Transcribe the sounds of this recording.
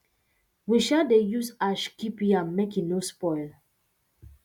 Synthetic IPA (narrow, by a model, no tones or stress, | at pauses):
wiʃadejusaʃkipiãnmekinospɔɪl